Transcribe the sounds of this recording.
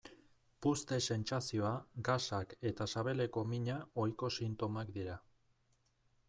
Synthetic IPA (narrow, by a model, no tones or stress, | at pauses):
pust̪e̞se̞nt͡sasio̞aɡasake̞t̪asaβe̞le̞ko̞miɲao̞jko̞sint̪o̞makd̪iɾa